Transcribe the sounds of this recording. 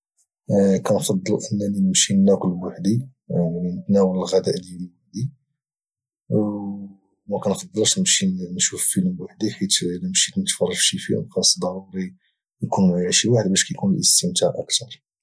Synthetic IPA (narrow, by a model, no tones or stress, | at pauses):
kænfɑd̪ˤːəlʔənːæninəmʃinːækəlwaħd̪ilinət̪næwələlɣæd̪æʔlilwaħd̪i | mækænfɑd̪ˤːəlʃnəmʃinʃuffilmwaħd̪ikæt̪ləmʃit̪nət̪fɑrˤːɑʒʃifḭnfɑsd̪ˤɑɾˤuɾi | jkunjʕiʃiwaħəd̪̚bæʃkæjkunəlʔəst̪əmt̪æʕʔə̰kt̪ɑɾˤ